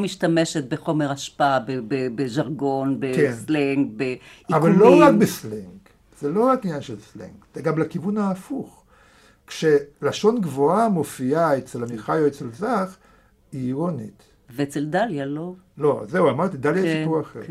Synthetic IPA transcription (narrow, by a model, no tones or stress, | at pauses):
miʃtameʃe̞t̪̚beχo̞me̞ʁaʃpaabebebeʒaʁɡo̞nbekensleŋɡbeiavalːloʁakbesleŋɡ | z̥elo̞ʁakinjanʃelslḛŋɡz̥eɡamlakivunaːfuχ | kʃelaʃo̞nɡvoamofiaet͡selamiχajoet͡selzaχ | iːʁonit̪ | veet͡seldaljalo | lo̞zeuamaʁt̪id̪aljajsipuʁaχeʁ